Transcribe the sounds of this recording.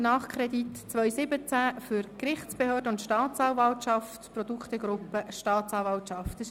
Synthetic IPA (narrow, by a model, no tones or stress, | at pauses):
nɑːχkʰɾɛditt͡sʋœʏsɪbət͡sæfʏɾkrɪχt͡spəhøːdəʊntʃtɑːt͡sɑːwvɑltʃɑft̪prɔd̪ukχt̪əɡɾʊpːəʃtɑːt̪t͡sɑːvɑltʃɑftəs